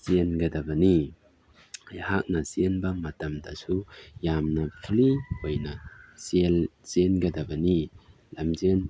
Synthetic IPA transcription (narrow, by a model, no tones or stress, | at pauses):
zenɡɐd̪ɐbɐni | jhak̚nɐsenbɐmɐt̪ɐmdasujamnɐpʰlibojnɐselz̥enɡɐd̪ɐbɐni | lɐmzen